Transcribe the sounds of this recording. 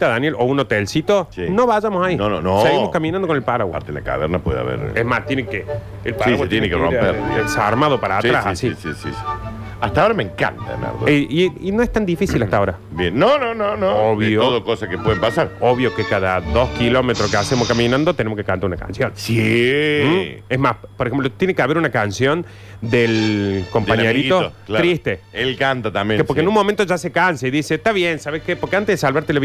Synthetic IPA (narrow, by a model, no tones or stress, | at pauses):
t̪aðanjelʔounot̪elsit̪osino̞βaʒamosainono̰noseɣimokamĩnand̪okonelpaɾaɣwapa̰ɾt̪eḛla̰ka̰βeɾnapweðḛa̰βḛɾezmast̪jeneke | elpaaiswaet̪jenekero̰peesaɾmaðopaɾatsɾassisisḭsi̥ | aht̪aoɾameŋka̰nt̪aḛna̰ɾðoiinoeht̪and̪ifisilaht̪aoɾa | bjenːonononooβjjooðokosakepweðempasaɾoβjokekaðaðo̞skilo̞met̪ɾokeasemoskamĩnãnd̪ot̪enemoskekant̪aɾunaka̰nsjonsi | ezmaspoɾexemplot̪jenekeaβe̞ɾunakansjo̞n | d̪elko̞mpaɲeɾit̪oolɾist̪eelkant̪at̪ambjekeoɾkenũnmo̞mẽnt̪oʒasekansaiðiset̪aβjensaβehkepoɾkeant̪eðesalβaɾt̪elaβ